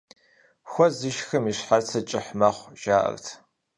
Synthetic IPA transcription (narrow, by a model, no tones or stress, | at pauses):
xʷɔzɨʃxɨmiʂħart͡sʰɐt͡ʃʼɪħmɐχʷʒaːʔɐ̰rtʰ